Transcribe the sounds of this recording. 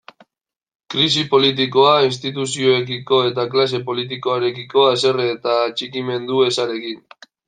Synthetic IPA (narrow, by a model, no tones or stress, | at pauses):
kɾis̬ipo̞lit̪̬iko̞ainst̪it̪̬usio̞ekiko̞e̞t̪aklas̬e̞po̞lit̪̬iko̞aɾe̞kiko̞ase̞reːt̪aːt͡ʃikime̞nd̪ue̞saɾe̞kin